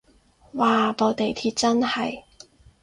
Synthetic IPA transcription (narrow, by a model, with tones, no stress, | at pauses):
waː˨po˨˧wt̪e˨jt̪ʰiː˧˥t̚t͡sɐ˥nhɐ˨j